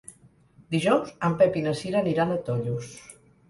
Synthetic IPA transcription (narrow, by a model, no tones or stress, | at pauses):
d̪iʒɔwzəmpɛpinəsiɾaniɾanət̪ɔʎus